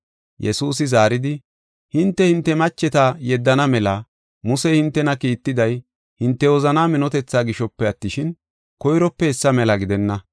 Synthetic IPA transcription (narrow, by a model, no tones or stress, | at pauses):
jʔɛsuːs̬ɪzaːɾɪd̪ɪ | hɪnt̪ːɛhɪnt̪ːɛmɐt͡ʃːɛt̪ajɛd̪ːɐnɐmɛlɐ | mʊsɛhɪnt̪ːɛnɐkiːt̪ːɪd̪ɐj | hɪnt̪ːɛɔzɐnaːmɪnɔt̪ɛt͡sːaːɡɪʃɔpːɛɐt̪ːɪʃɪn | kɔjɾɔpːɛɛsːɐmɛlɐɡɪd̪ɛnːɐ